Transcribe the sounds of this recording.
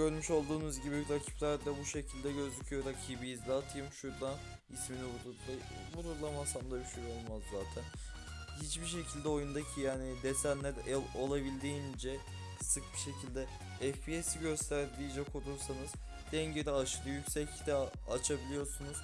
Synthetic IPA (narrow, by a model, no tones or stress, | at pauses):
ɟø̞ɾmyʃo̞lˠd̪uːnuzɟibiɾacʰi̥plʲæɾd̪abuʃe̞cʰilʲd̪ɛɟø̞zycʰyjo̞ɾakʰibijizd̪ɛːt̪ʰɯjɯmʃuɾd̪an | isminibuɾuɾa | buɾuɾlˠamasamd̪abiʃejo̞lˠmazːaːt̪ʰæn | hit͡ʃbiʃe̞cʰilʲd̪ɛo̞jund̪acʰijaːnid̪esænlʲæɾɛlo̞lˠabilʲd̪iːnd͡ʒɛ | sɯk̚biʃe̞cʰilʲd̪ɛ | ɛfbiesiɟø̞st̪ʰæɾd̪id͡ʒɛkʰo̞lˠuɾsanɯz̥ | d̪̥ɛɲɟed̪ɛaʃɯɾɯjycʲsɛct̪ʰɛ | at͡ʃʰabilʲijo̞ɾsunuz̥